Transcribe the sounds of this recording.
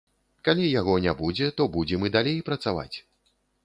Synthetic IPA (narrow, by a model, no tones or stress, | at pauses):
kalʲijaɣɔnʲabud͡zʲɛt̪ɔbud͡zʲɛmɨd̪alʲejpɾɐt̪sava̰t͡sʲ